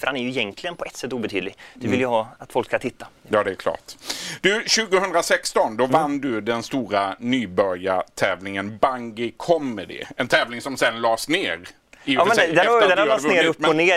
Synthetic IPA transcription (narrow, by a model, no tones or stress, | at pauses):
fœɾhanæɾjɵɪjɛŋk̪ʰlɪɡənpʰɔɛt̪ːsɛt̪ːuːbɛt̪ʰyːd̪lɪɡd̪̥ɵvɪljəɦɑːat̪fɔlkskant̪ʰɪt̪ːajɑːd̪ɛæɾkʰlɑ̰ːʈd̪ɵɕʉ̟ːɡʊhɵnd̪ɾasɛkst̪ɔnd̪ɔvand̪ɵd̪ɛnst̪uːɾanyːbœɾja̰t̪ʰɛːvlɪŋənbaŋɡɪkʰɔmɛd̪ɪ̰ɛnt̪ʰɛːvlɪŋsɔmsɛnlɑːsneːɾ | ɪɑːmɛd̪ɛd̪ɛɑːsneːɾɵpːɔneː